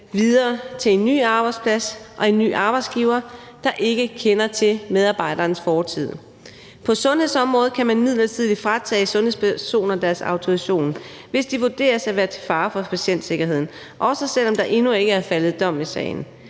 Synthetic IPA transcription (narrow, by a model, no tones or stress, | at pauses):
ʋiðˠɐːt͡sʰe̝e̝nːy̰ːɑ̈ːb̥ɑ̈ɪd̥spʰlæsʔɒ̽e̝nːy̰ːʔɑ̈ːb̥ɑ̈ɪd̥sɡ̥iːʊɐ | d̥ɑ̈ʔe̝ɡ̥əkʰenɐt͡sʰe̝með̞ˠɑ̈ːb̥ɑ̈ɪ̰ɾ̥ɐːnsfɒːt͡sʰið̞̰ˠ | pʰɒ̽sɔ̽nhe̝sɒ̽mʁɔ̽ːð̩ˠkʰæmænmið̞̰ˠlɐt͡sʰið̰ˠid̥fʁat͡sʰɛ̰ːsɔ̽nhḛspʰæso̝̰ːnɐd̥æɐsɑ̈ʊt͡sʰo̝iɕo̝̰ːn | ʋe̝sd̥iʋud̥e̝̰ːɐsæʋæːɐt͡sʰe̝̥fɑ̈ːfɒ̽pʰæɕen̰d̥se̝ɡ̥ɐɦe̝ð̰ˠn̩ | ʔɒ̽sɐsel̰ɒ̽md̥ɑ̈ʔe̝nue̝ɡ̥əæɐfælð̞̩ˠd̥ɒ̽m̰esɛ̰ːɪn̩